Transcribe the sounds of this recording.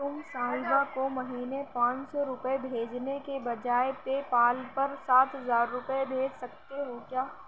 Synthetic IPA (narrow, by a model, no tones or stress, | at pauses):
ʊmsaːɦɪbakomɐɦiːnepãːt͡ʃsɔɾʊpəebʱeːd͡ʒnekebɐd͡ʒaːepepaːlpɐɾsaːt̪ɦɐzaːɾːʊpəebʱeːd͡ʒsɐkt̪eɦokjaː